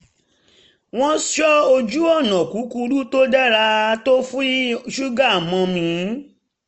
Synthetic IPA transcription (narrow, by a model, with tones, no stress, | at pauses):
w̃ɔ̃˦ʃɔ˦o˧d͡ʒu˦ɔ˦˨nɔ̃˨ku˨˦ku˧ɾu˦to˦da˦ɾa˧to˦fũ˦ʃu˦ɡa˦˨mɔ̃˧mĩ˧˦